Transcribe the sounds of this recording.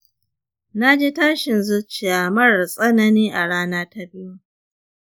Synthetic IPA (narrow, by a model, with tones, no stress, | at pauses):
na˦d͡ʒiː˦taː˦ʃɪ˨nzʊ˦t͡ʃːɪ˨jaː˨mɐ˦ɽsʼɐ˦nɐ˦niː˦ʔa˨ɽaː˦naː˦ta˦bɪ˦ju˦